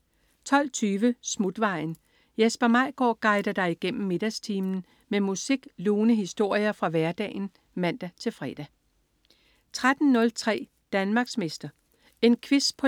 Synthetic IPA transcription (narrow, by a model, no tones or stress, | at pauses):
t͡sʰɒ̽l̰t͡sʰyːʋəsmud̥ʋɑ̈ɪ̰n | jesb̥ɐmɑ̈ɪ̰ɡ̥ɒ̰ːɡ̥ɑ̈ɪd̥ɐd̥ɑ̈ɪiɡ̥en̰m̩me̝d̥æst͡sʰiːmn̩ | memusiɡ̥luːnəɦisd̥o̝ɐ̰jɐfʁɑ̈ʋæɐd̥ɛ̰ːn̩ | mæn̰d̥æt͡sʰe̝lfʁɛːd̥æ | t͡sʰʁad̥n̩nɔ̽lt͡sʰʁɛ̰ː | d̥ænmɑ̈ɡ̥smesd̥ɐ | e̝nkʰʋispʰɒ